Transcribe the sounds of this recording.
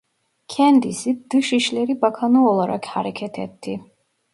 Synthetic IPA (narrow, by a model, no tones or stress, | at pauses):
kʰɛnd̪isid̪̥ɯʃiʃlɛɾibakʰanɯɔlˠaɾa̰kʰhaɾɛkʲʰɛt̪ʰɛ̰t̪ʰːi